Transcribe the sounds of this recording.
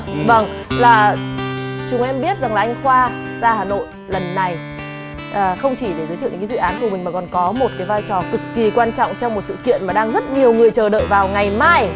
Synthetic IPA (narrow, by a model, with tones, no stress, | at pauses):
və˧˩ŋ | laː˨˩ | t͡ɕʊ˨˦ŋ͡mɛ˧mɓi˦˥ət̚za˨˩ŋlaː˨˩ʔjŋ̟xwaː˧ | zaː˧haː˨˩no̰˧˨j | lə˨˩nːa˨˩j | ʔəː˨˩xə˧wŋ͡mt͡ɕi˧˩ɗe˧˩zu˨˦t̪ʰːɲ̰ː˧˨˦ɨ̰˧˨aː˨˦nku˧˩mï˨˩ŋ̟maː˨˩kɔ˨˩nkɔ˨˦mo˨˩t̚kaː˨˦vaː˧jt͡ɕɔ˨˩kɨ˨˩kːi˨˩kwaː˧nt͡ɕɔ̰˧˨wŋ͡mt͡ɕɔ˧wŋ͡mmo˨˩t̚sɨ̰˧˨kḭ˧˨ənmaː˨˩ɗaː˧ŋzə˦˥t̚ɲi˨˩əwŋɨ˨˩əjt͡ɕəː˨˩ɗə̰ː˧˨jvaː˨˩wŋa˨˩jmaː˧j